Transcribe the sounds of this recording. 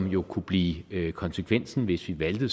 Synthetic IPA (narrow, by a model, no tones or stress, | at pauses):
mjo̝kʰub̥liːkʰɒ̽nsəkʰʋen̰sn̩ʋe̝sʋiʋæld̥ə